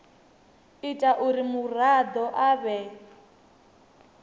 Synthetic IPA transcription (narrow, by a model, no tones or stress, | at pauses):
itʼaʔuɾimurad̪ɔʔaβɛ